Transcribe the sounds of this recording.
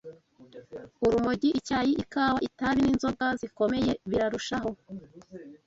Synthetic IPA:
uɾumuɟiʔicaːjiʔikaːwaitaβininzo̞ɡaziko̞me̞je̞βiɾaɾuʃaɦo̞

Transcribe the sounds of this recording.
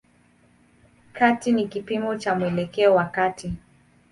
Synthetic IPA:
katinikipimɔt͡ʃamuɛlɛkɛɔwakati

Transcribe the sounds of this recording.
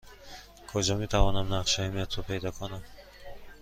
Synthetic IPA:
kʰɔd͡ʒɔmit̪ʰavɔnamnaqʃaimet̪ʰupʰejd̪ɔkʰɔnam

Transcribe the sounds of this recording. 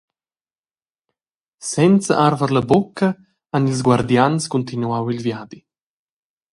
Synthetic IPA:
sɛnt͡sə̰ʔaɾvəɾləbokʰːə | anilzɡwaɾd̪janskunt̪inuawilvjaːd̪i

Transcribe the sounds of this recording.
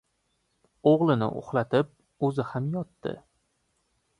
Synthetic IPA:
oʁlˠɪnɪ̰ʔo̰χlat̪ʰɪp̚ | ɵzɪhamjɒt̪ːɪ̰

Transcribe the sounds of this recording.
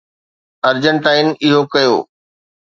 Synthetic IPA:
ɐɾd͡ʑə̃nʈaːɪnɪɦokɐjo̰ː

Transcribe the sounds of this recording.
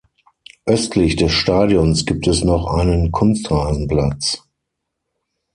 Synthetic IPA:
ʔœstʰlɪçd̥ɛsʃtaːdjɔnsɡ̥iːp̚tʰɛsnɔχʔa̰ɪnənkʰʊnstʁaːzn̩pl̥at͡s

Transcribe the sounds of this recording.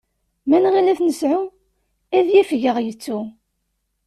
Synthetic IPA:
mænʁilæθnəsʕu | æðjifʝəʁjət͡sːu

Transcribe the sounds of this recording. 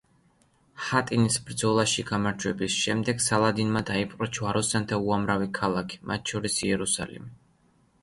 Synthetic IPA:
hat̪ʼinisbɾd̪zɔlˠaʃiɡamaɾd͡ʒwɛbisʃɛmd̪ɛɡsalˠad̪inmad̪aipʼqʼɔt͡ʃʰwaɾɔsant̪ʰauamɾavikʰalˠakʰi̥mʔa̰t̪̚ʰʃɔɾisiɛɾusa̰lḭmi

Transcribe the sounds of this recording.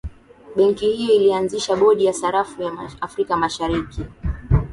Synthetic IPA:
ɓɛŋkihijɔilianziʃaɓɔɗijasaɾafujaafɾikamaʃaɾiki

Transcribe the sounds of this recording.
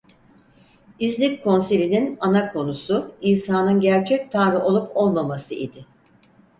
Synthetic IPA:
izlʲickʰo̞nselʲininanakʰo̞nusuiːsaːnɯnɟæɾt͡ʃʰɛc̚t̪ʰanɾɯʔo̞lˠupʰo̞lˠmamasɯʔid̪ɪ

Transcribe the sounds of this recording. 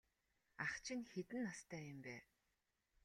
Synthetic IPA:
aχt͡ɕʰɪ̆ŋxet̪ɘ̆nːast̪ʰæːjʊmpæː

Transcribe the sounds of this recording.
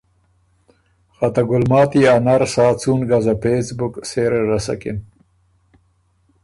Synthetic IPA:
xat̪aɡʊlmɑːt̪ianaɾsɑːt͡sunɡazapesbʊkseɾɾasa̰kɪ̰n

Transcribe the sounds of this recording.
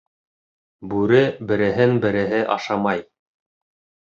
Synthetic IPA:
bʉɾɘbɘ̆ɾɘ̆ɦɘnbɘ̆ɾɘ̆ɦɘʔɑ̰ʃɑmɑj

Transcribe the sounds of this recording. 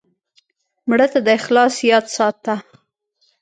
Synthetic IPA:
mɽət̪ad̪əɪxlɑsjɑt̪sɑt̪a

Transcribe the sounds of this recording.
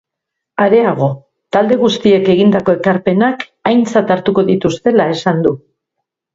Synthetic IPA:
aɾe̞aɣ̞o̞ | t̪ald̪e̞ɣust̪ie̞ke̞ɣind̪ako̞e̞kaɾpe̞nak | ajnt͡sat̪aɾt̪uko̞ðit̪ust̪e̞lae̞sand̪u

